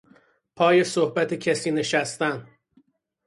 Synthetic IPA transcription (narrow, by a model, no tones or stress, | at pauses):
pʰɒːje̞sohbæt̪ʰecʰæsiːne̞ʃæst̪æn